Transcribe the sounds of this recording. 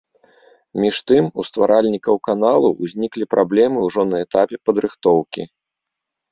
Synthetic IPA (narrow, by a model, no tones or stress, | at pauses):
mʲiʂt̪ɨmust̪vaɾʔalʲnʲikɐwkanalˠṵʔːzʲnʲiklʲipɾʔablʲɛmɨuʐɔnɐɛt̪apʲɛpɐd̪ɾɨxt̪ɔwkʲḭ